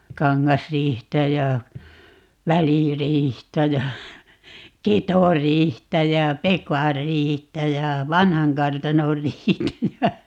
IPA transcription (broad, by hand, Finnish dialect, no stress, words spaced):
kɑŋːɑsriːhtæ jɑ ʋæliriːhtæ jɑ ketoriːhtæ jæ pekɑrːiːhtæ jɑ ʋɑnhɑŋkɑrtɑnorːiːhtæ jɑ